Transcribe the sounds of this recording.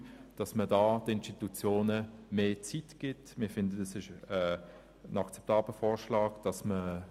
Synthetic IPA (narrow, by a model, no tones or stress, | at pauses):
d̥ɑsmədɑːtɪnstitut͡sjoːnəmeːt͡sitɡ̥ɪtmɪɐfɪndədɛsɪʃə | ənɑkt͡sɛ̥p̚tɑːb̥ləfɔːʁʃlɑːɡd̥ɑsmə